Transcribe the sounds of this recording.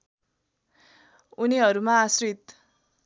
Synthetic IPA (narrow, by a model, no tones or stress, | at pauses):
uniɦʌɾumaːsrit̪